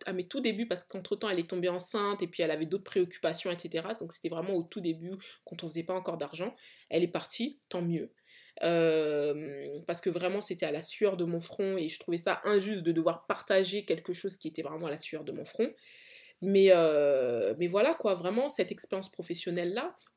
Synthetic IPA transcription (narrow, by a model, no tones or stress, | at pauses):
amɛt̪ud̪ebypaʁsə̥kɑ̃t̪χət̪ɑ̃ɛlɛt̪ɔ̃beɑ̃sɛ̃t̪epɥiɛlavɛd̪ot̪̚χəpχeɔkʲy̥pasjɔ̃ɛt̪set̪eʁad̪ɔ̃kse̥t̪ɛvʁɛmɑ̃ot̪ud̪ebykɑ̃t̪ɔ̃fəzɛpaɑ̃kɔʁd̪aʁʒɑ̃ɛlɛpaʁt̪ʰit̪ɑ̃mjø | ømpaʁsə̥kəvʁɛmɑ̃set̪ɛalasyœʁd̪əmɔ̃fχɔ̃eʒət̪χuvɛsaʔɛ̃ʒyst̪̚d̪əd̪əvwaʁpaʁt̪aʒekʲɛlkəʃozkʲiet̪ɛvʁɛmɑ̃alasɥyœʁd̪əmɔ̃fχɔ̃ | mɛø | mɛvwalakwavʁɛmɑ̃sɛt̪ɛkspɛʁjɑ̃spχɔfɛsjɔnɛlːa